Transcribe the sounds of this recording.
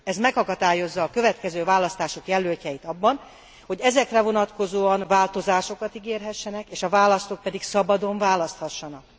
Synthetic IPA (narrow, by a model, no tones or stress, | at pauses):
ɛzmɛkhɒkɒt̪aːjo̞zːɒːkø̞vɛt̪kɛzøːvaːlɒst̪aːʃo̞kjɛlølcɛjit̪ɒbːɒn | ho̞ɟɛzɛkrɛvo̞nɒt̪ko̞zoːɒnvaːlt̪o̞zaːʃo̞kɒt̪iɡeːrɦɛʃːɛnɛkeːʃɒvaːlɒst̪o̞k̚pɛd̪iksɒbɒd̪o̞ɱvaːlɒst̪hɒʃːɒnɒk̚